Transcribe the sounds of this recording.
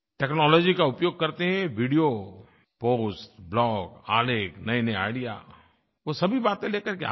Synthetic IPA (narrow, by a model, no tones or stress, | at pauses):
ʈɛːknɔːlɔːd͡ʒikaʊpjoːɡ̚kɐɾt̪eɦɛ̃ʋiɖijo | poːsʈblɔːɡaːleːknɐenɐea̰ːɪɽija̰ː | ʋosɐbʱibaːt̪ẽleːkəɾkea̰